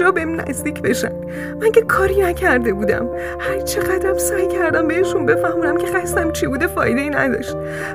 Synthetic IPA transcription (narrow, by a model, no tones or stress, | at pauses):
ɒːbemnæ̰zd̪iːcʲʰbe̞ʃæ̰m | mæŋce̞kʰɒːɾiːnæcʰæɾd̪e̞buːd̪æ̰m | hæɾt͡ʃʰeɣæd̪ɾæmsɒːjcʰæɾd̪æmbe̞heʃunbe̞fæhmuːnæmcʰʲe̞xæst̪æmt͡ʃʰibuːd̪e̞fɒːjd̪eiːnæ̰d̪ɒ̰ːʃt̪̚